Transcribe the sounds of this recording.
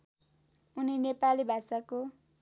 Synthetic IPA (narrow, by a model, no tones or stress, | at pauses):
uninepalibʱasako